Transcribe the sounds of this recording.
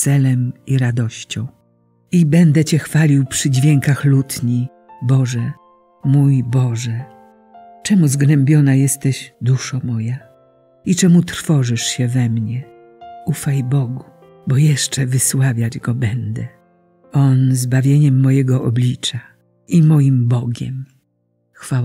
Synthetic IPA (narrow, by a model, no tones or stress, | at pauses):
t̪sɛlɛmiɾad̪ɔɕt͡ɕɔ̃w̃ | ibɛnd̪ɛt͡ɕɛxfalʲiwpʂɘd͡ʑvʲjɛŋkaxlut̪ɲi | bɔʐɛ | mujbɔʐɛ | t͡ʂɛmuzɡnɛmbʲjɔnajɛst̪ɛʑd̪uʂɔmɔja | it͡ʂɛmut̪ɾ̥fɔʐɨʂɕɛvɛmɲɛ | ufajbɔɡu | bɔjɛʂt͡ʂɛvɘswavʲjad͡ʑɡɔbɛnd̪ɛ | ɔnzbavʲjeɲɛmːɔjɛɡɔʔɔ̰blʲit͡ʂa | imɔjimbɔɡʲɛ̰m | xfa